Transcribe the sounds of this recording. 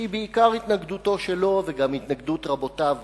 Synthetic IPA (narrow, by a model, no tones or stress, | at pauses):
ibeikaʁit̪naɡd̪uto̞ʃelo̞veɡamhit̪naɡd̪ut̪ʁabo̞tav